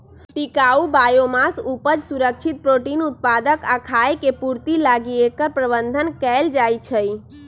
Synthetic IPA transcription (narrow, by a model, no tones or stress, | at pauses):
ʈikaubajomasupəd͡ʒsuɾək̚t͡ʃʰit̪̚pɾoʈinut̪̚pad̪əkakʰaekepuɾt̪ilaɡiekəɾpɾəbənd̪ʱənkɛld͡ʒajt͡ʃʰəj